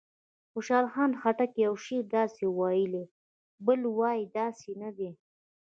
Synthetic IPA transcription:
xʊʃɑlxɑnxaʈakjawʃeɾd̪ɑsewɑjəle | bəlwɑjid̪ɑsenad̪e

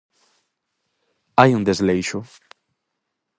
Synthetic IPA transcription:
ajũŋd̪ezlejʃʊ

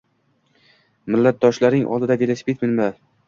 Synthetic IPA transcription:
mɪlːat̪̚d̪ɒʃlaɾnɪŋʔɒ̰lˠd̪ɪd̪ad̪elaspit̪mɪnma

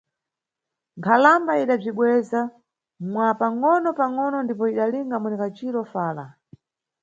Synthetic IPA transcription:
ŋkʰalambaiɗab͡ʐiɓwɛza | mwapaŋɔnɔpaŋɔnɔndipɔiɗaliŋɡamunɛkat͡ʃiɾɔfaːla̰

